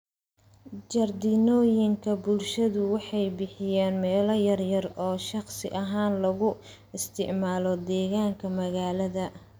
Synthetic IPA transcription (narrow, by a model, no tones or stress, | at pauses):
d͡ʒɐrd̪iːnɔːjɪŋkʰɐbʊlʃɐðʊwɑħɑjbɪħɪjaːnmɛːlɔjɐrjɐrɔːʃɑqsɪʔɐɦaːnlɐɣʊ | ɪst̪ʰɪ̰ʕmaːlɔd̪ɛːɣaːŋkʰɐmɐɣaːlɐðɐ